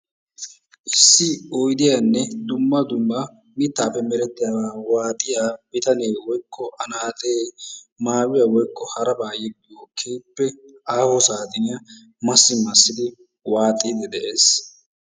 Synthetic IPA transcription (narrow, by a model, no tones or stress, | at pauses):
ʔɪsːɪɔjd̪ɪjanːɛd̪ʊmːɐd̪ʊmːɐ | mɪt̪ːaːpːɛmɛɾɛt̪ːɪjaːwaːwaːt̪ʼɪjaːbɪt̪ɐneːwɔjkʰːɔʔɐnaːt̪ʼeːmaːwɪjɐwɔjkʰːɔhɐɾɐbaːjɛɡɪjokʰːeːpːɛ | aːhɔsaːt̪ɪnɪjɐ | mɐsːɪmɐsːɪd̪ɪ | waːt̪ʼid̪ɛd̪ɛʔeːs